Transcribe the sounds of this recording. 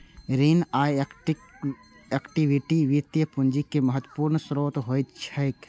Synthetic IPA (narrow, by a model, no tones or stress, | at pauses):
ɾiːnaːʈ | ekʈiʋiʈiʋit̪jəpʊnd͡ʒikːeməɦət̪ːwəpuːɾnsɾoːt̪ɦoːjt̪t͡ʃʰɐjk